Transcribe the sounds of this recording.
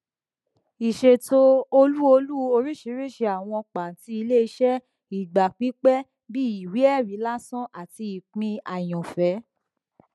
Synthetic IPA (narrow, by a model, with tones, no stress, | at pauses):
i˨ʃe˨to˧o˧lu˦o˧lu˦o˧ɾi˦ʃi˨˦ɾi˦˨ʃe˧a˨w̃ɔ̃˧k͡pa˨ti˧˦i˧le˦˨i˧˦ʃɛ˦ | i˨ɡ͡ba˨k͡pi˨˦k͡pɛ˦ | bi˦i˨wi˨˦ɛ˦˨ɾi˨˦la˦sɔ̃˦ʔa˨ti˧i˨k͡pĩ˧a˨j̃ɔ̃˨fɛ˨˦